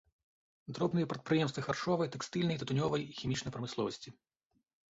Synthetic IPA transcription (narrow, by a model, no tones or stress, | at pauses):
d̪ɾɔbnɨjɐpɾɐt̪̚pɾɨjɛmst̪vɐxarʂɔvɐjt̪ɛkst̪ɨlʲnɐjt̪ɐt̪ʊnʲɔvɐjixʲimʲit͡ʂnɐjpɾɐmɨslˠɔvɐsʲt͡sʲi